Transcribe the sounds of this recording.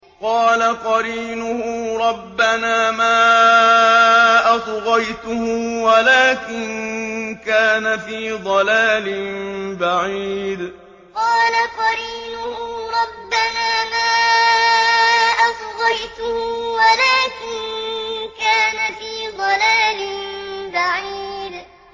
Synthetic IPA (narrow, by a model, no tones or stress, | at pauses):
qɑːlaqɑɾiːnʊhʊɾˤɑbːanaːmaː | ʔɑsˤɣɑjt̪ʊhʊwalaːkɪnkaːnafiːd̪ˤɑlaːlɪmbaʕiːd̪ | qɑːlaqɑɾiːnʊhɾˤɑbːanaːmaː | ʔɑsˤɣɑjt̪ʊhʊwalaːkɪnkaːnafiːd̪ˤɑlaːlɪbaʕiiːd̪